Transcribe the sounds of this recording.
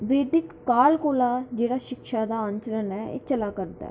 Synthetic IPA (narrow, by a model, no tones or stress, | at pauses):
ʋeːɖɪkːaːlkoːlaːd͡ʒeːɽaːʃɪkʃaːd̪aːə̃ɲt͡ʃəɾənɛːḛːt͡ʃəlaːkəɾd̪a̰ː